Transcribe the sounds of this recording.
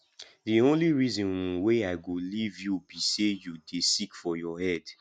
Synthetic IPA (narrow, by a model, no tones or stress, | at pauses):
diõnliɹizɔ̃nwũweaɪɡolivjubisejudesikfɔjɔhɛd